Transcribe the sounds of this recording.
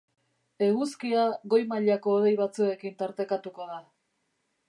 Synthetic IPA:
e̞ɣuskiaɣo̞jmaʎako̞ːð̞e̞jβ̞at͡sue̞kint̪aɾt̪e̞kat̪uko̞ða

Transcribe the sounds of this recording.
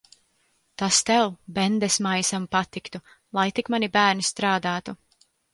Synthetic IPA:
t̪ast̪ɛwbɛnd̪ɛsmajsampat̪ikt̪u | lˠajt̪ikmanibæːɾnist̪ɾaːd̪aːt̪u

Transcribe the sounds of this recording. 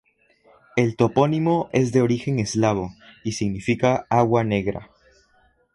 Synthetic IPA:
e̞lt̪o̞po̞nimo̞ʔe̞zðe̞o̞ɾixe̞ŋezlaβo̞isiɣnifikaaɣwane̞ɣɾa̰

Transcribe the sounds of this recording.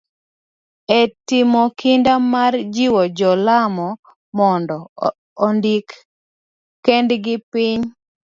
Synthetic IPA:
ɛtɪmɔkʰɪndamard͡ʒiwɔd͡ʒɔlamɔ | mɔndɔː | ndikː | ɛndɡɪpɪɲ

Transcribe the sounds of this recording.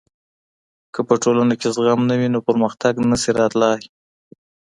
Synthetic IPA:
kəpəʈolanakezɣamnawinopəɾməxt̪aɡnəsiɾɑt̪lɑj

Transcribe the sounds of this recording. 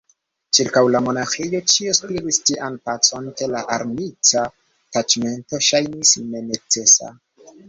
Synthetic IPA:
t͡ʃiɾkawlamo̞naxijo̞t͡ʃioskɾiɾistiʔanpat͡so̞nke̞laʔaɾmit͡sa | tad͡ʒme̞nto̞ʃajnisne̞ne̞t͡se̞sa̰

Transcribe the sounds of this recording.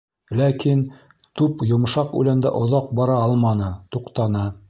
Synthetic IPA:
lækin | t̪ʉpjŏm̆ʃɑqʉ̰lænd̪æ̰ʔŏðɑq̚bɑɾɑɑlˠmɑnɤt̪uqt̪ɑnɤ

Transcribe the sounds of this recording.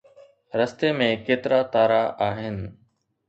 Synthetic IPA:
ɾɐst̪emẽkeːt̪ɪɾat̪aːɾaʔaːɦɪnɪ̆

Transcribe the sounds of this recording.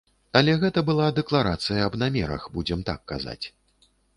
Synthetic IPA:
alʲɛɣɛt̪ɐbɨlˠad̪ɛklˠaɾat̪sɨjɐɐbnamʲɛɾɐ̰xbud͡zʲɛmt̪a̰kːa̰za̰t͡sʲ

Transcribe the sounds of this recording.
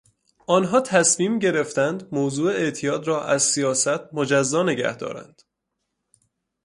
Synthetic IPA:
ʔɒːnɦɒːt̪ʰæsmiːmɟe̞ɾe̞ft̪ænd̪moːzuːeeʔt̪ʰijɒːd̪ɾɒːʔæzsijɒːsæt̪ʰmod͡ʒæzːɒːne̞ɟæ̰hd̪ɒ̰ːɾæ̰nd̪̥

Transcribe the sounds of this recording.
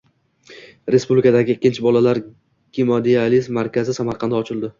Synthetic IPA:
ɾespublikʰad̪aɡʲɪːkʲːɪnt͡ʃʰɪbɒlalaɾ | ɡ̥ʲimod̪ializmːaɾkʲʰazɪsamaɾqʰɑnd̪aɒt͡ʃʰɪlˠd̪ɪ

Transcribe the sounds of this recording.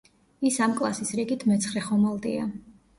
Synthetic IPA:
isamkʼlˠasisɾiɡit̪ʰmɛt̪sʰχɾɛχɔmalˠd̪ḭa

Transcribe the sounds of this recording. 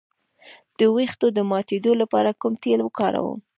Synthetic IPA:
d̪̥əwext̪od̪əmɑt̪ed̪olapɑ̰ɾakumt̪elwəkɑɾa̰wə̰m

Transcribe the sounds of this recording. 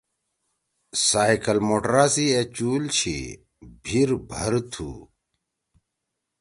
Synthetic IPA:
saːikɐlmoːʈɾaːsiet͡ɕuːlt͡ɕʰḭ | bʱiɾbʱɐɾt̪ʰṵː

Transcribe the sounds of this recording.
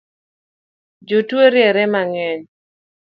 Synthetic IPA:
d͡ʒotweɾjɛɾɛmaŋɛɲ

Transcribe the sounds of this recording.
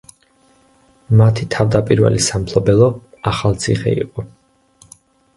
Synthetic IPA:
mat̪ʰit̪ʰavd̪apʼiɾvɛ̰lisampʰlˠɔbɛlˠɔ | aχalˠt̪sʰiχɛ̰ḭqʼɔ

